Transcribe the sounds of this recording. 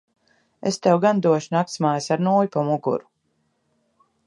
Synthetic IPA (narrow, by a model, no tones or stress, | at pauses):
est̪ɛwɡand̪uɔʃunak̚t̪smaːjsaɾnuːjupamuɡṵɾu̥